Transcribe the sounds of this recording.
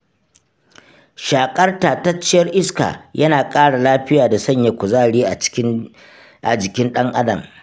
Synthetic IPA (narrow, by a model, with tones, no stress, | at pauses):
ʃaː˨kʼɐ˦rtaː˨ta˦t͡ʃːɪ˦jɐ˦rʔɪ˦ska̰ː˨jʔɐ˦naː˨kʼaː˦ɽa˨laː˦ɸɪ˦jaː˨da˨sɐ˦˨ɲja˨kʷʊ˨zaː˦˨ɽiː˦ʔa˨ | ʔa̰˨d͡ʒɪ˨kʲɪ˦nɗɐ˦ŋʔa˦dɐ̰˨m